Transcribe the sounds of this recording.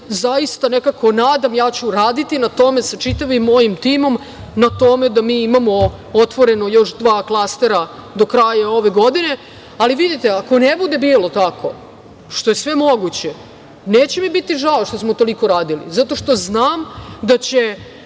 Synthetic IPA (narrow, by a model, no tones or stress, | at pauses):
zajist̪anekakʰo̞naːd̪amjaːt͡ɕuɾaːd̪it̪inat̪o̞me̞sat͡ʃit̪aʋimːo̞jimt̪iːmo̞m | nat̪o̞me̞d̪amiːimamo̞ | ot̪ʋo̞ɾe̞nojo̞ʃd̪ʋaːklˠast̪eɾad̪o̞kɾaːjao̞ʋe̞ɡo̞d̪ine̞ | aliʋid̪it̪e̞ako̞nebud̪e̞biːlo̞t̪ako̞ | ʃt̪o̞jesʋe̞mo̞ɡut͡ɕe | neːt͡ɕemibit̪iʒaoʃt̪o̞smot̪o̞liko̞ɾaːd̪ilḭzat̪o̞ʃt̪o̞znaːmd̪at͡ɕe